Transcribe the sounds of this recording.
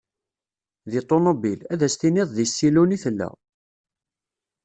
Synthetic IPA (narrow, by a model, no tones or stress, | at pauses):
ðit̪ˤːonobilæðæst̪inɪðˤðisːiluniθəlːæ̰